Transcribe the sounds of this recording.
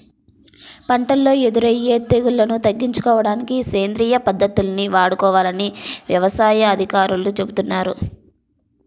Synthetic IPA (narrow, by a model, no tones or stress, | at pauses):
pɐɳʈɐlːo̞ːe̞d̪uɾɐjːeːt̪eɡulːɐnut̪ɐɡːiɲt͡ʃu̥kɔːʋɐɽaːnikiseːnd̪ɾiːjɐpɐd̪ːɐt̪ːulɐniʋaːɽukɔːʋaːlɐniʋjɐʋɐsaːjɐːd̪ʱikaːɾulut͡ʃe̞but̪unːaːɾu